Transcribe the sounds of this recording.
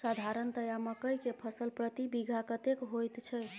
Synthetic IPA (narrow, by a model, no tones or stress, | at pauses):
sad̪ʱaɾənt̪əjaməkəjkepʰəsəlpɾət̪ibiɡʱakət̪ekɦojt̪t͡ʃʰə